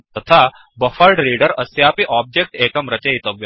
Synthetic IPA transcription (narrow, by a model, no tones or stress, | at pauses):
t̪ɐt̪ʰa | bɐfəlɖɾiːɖəɾɐsjaːpiʔaːb̚d͡ʒek̚ʈeːkɐmɾɐt͡ʃeit̪ɐʋjɐ